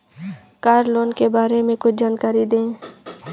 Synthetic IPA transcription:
kaːɾloːnkebaːɾemẽkʊt͡ʃʰd͡ʒaːnkaːɾid̪ẽː

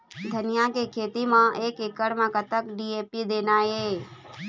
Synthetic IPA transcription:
d̪ʱənɪjakekʰeːt̪imãʔeːkɪkəɽmãkət̪əkɖieːpid̪eːnaːje

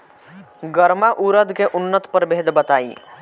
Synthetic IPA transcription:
ɡəɾmaʔuɾəd̪keʔʊnːət̪pəɾbeɦːd̪bət̪aːḭ

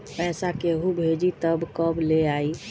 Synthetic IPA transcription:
pɛsakeɦubʱed͡ʒit̪əbkəbleai

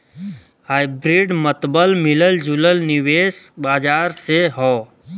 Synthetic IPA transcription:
ɦaːɪbɾiɖmət̪bəlmɪləld͡ʒuləlnɪʋeːsbaːd͡ʒaːɾseɦɔː

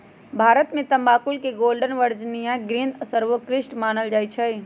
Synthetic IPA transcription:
bʱaːɾət̪mẽt̪ɐ̃mbaːkʊlkeɡoːlɖənʋəɾd͡ʒnijãɡɾind̪səɾʋəkɾɪʃʈmaːnəld͡ʒaːit͡ʃʰə

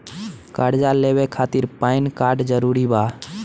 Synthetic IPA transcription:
kaɽd͡ʒaleːʋekʰaːt̪iɾpaːɪnkaːɾɖd͡ʒəɾuːɾibaː

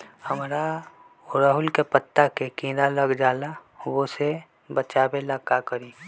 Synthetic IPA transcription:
həmɾa | ʊɾaɦʊlkepət̪ːakekĩːɾaləɡd͡ʒaːlaʋose | bət͡ʃaːbelakakəɾiː

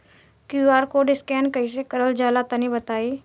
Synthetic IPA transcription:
kjuaːɾkoɖɪskɛnkəjs̬ekəɾəld͡ʒalat̪ənibət̪aːi

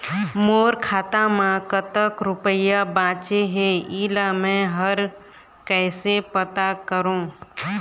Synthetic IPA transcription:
moːɾkʰaːt̪amãkət̪əkɾʊpəjabãːt͡ʃeɦeiːlamɛ̃ɦəɾ | kɛːsepət̪akəɾõː

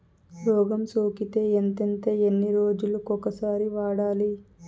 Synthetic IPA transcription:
ɾɔːɡɐmsoːkit̪e̞ːent̪ent̪e̞ːenːiɾoːd͡ʒulukɔkːɐsaːɾiʋaːɽaːli

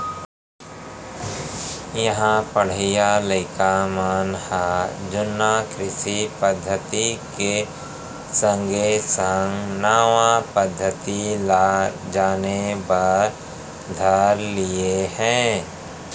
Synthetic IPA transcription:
jɐɦãpɐɽ̤ɪjaləɪkamaːnhad͡ʒʊnːakɾɪʃipəd̪ʱːət̪ike | sə̃ŋɡʱesəŋɡnaːʋãpəd̪ʱːət̪ilad͡ʒaːnebaːɾ | d̪ʱɐɾliehɛ̃ː

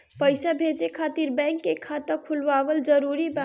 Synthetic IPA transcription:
pəɪsabʱed͡ʒekʰaːt̪iɾbɛ̃ŋkːekʰat̪əɾkʰʊlʋaːʋəld͡ʒəɾuɾibã

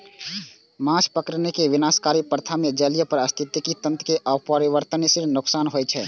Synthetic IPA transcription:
mãspəkəɾnekeʋɪnaːskaːɾipəɾt̪ʰamed͡ʒəlijəpəɾəst̪ʰit̪ːikit̪ə̃nt̪keʔapəɾiʋəɾt̪ənesɪɾnʊksaːnɦojt͡ʃʰɛ

